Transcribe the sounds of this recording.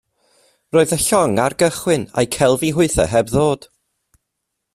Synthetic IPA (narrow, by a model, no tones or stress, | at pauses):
roːɨðəɬɔŋarɡəχwɪna̰jkʰɛlˠviɦʊɨθə̰ɦɛbðoːd̥